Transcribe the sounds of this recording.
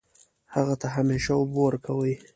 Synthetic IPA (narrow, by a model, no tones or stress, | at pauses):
haɣat̪aɦameʃawboɾkʰawəj